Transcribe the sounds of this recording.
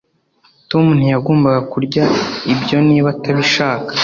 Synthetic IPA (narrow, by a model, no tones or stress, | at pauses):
tomun̥hujaɡoːmbaɡakuɾɟaibjo̞niːβataβiʃaːkḁ